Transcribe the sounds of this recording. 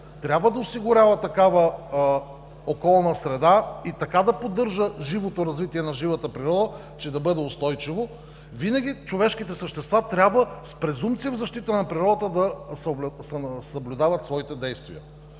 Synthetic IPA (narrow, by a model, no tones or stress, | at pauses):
t̪ɾʲabvəd̪ɐosiɡʊɾʲavət̪ɐkavə | okɔlˠnəsɾɛd̪ait̪ɐkad̪ɐpod̪ːɤɾʒəʒivot̪oɾɐzvit̪iɛnɐʒivət̪əpɾiɾɔd̪ə | t͡ʃɛd̪ɐbɤd̪ɛost̪ɔjt͡ʃivo | vinɐɡʲit͡ʃovɛʃkit̪ɛsəʃt̪ɛst̪vat̪ɾʲabvəspɾɛzumt̪sijəvzɐʃt̪it̪ənɐpɾiɾɔd̪ət̪əd̪ɐsbsɛsɐblʲʊd̪avət̪svɔit̪ɛd̪ɛjst̪vḭə̰